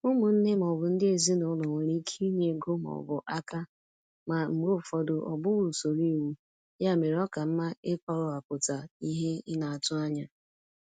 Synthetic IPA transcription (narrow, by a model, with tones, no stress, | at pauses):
ʊ˦mʊ˨n̩˦ne˦m˨ɔ˨bʊ˨n̩˦dɪ˦e˨zi˦nʊ˦lɔ˨ŋʷe˨ɾi˦kʰi˦ɲe˨ɡo˦m˨ɔ̰˨bʊ˨ʔa˦ka˦ | ma˨m̩˨ɡ͡bʊ˦˨fɔ˨dʊ˨ʔɔ̰˨bʊ˦wu˨so˨ɾi˦˨wu˦ | ja˦˨me˨ɾɔ˦ka˨m̩˦ma˦e˦kɔ˨ɾʊ˦a˨kʊ˨ta˨i˦ɦe˦ɪ˦na˨a˨tʊ˦a˦ɲa˨